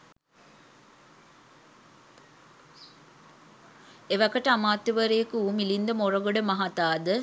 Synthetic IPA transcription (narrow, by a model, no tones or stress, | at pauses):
eʋɐkəʈəamaːt̪ːiʋəɾeːkuumilind̪əmorəɡoɖəmaɦat̪aːd̪ə